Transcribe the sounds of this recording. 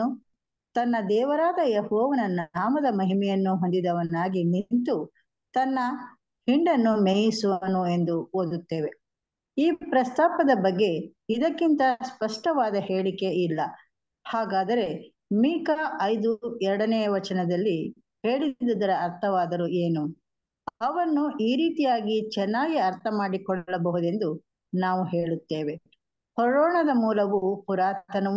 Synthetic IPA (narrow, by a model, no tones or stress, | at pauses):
u | t̪ɐnːɐd̪ɛːʋɐɾaːd̪ɐjehɔːʋɐnɐnːunaːmɐd̪ɐmɐɦimɛjɐnːuɦo̞nd̪id̪ɐʋɐnːaːɡinint̪u | t̪ɐnːɐ | hiɳɖɐnːumeːjisuʋɐnue̞nd̪uoːd̪ut̪ːeːʋe̞ | iːpɾɐst̪aːpɐd̪ɐbɐɡːe̞ | id̪ɐkːint̪ɐspɐʂʈɐʋaːd̪ɐhe̞ːɭike̞ilːɐ | haːɡaːd̪ɐɾe̞ | miːkaʔɐjd̪uɛɾɐɽɐnɛːjɐʋɐt͡ʃɐnɐd̪ɐlːi | he̞ːɭid̪id̪ɐɾɐːɾt̪ʰɐʋaːd̪ɐɾueːnu | ɐʋɐnːuʔiːɾiːt̪ijaːɡit͡ʃɛnːaːɡiɐɾt̪ʰɐmaːɽikɔɭːɐbɐɦud̪e̞nd̪u | naːʋuɦe̞ːɭut̪ːeːʋe̞ | pɔɾɔːɳɐd̪ɐmuːlɐʋupuɾaːt̪ɐnɐ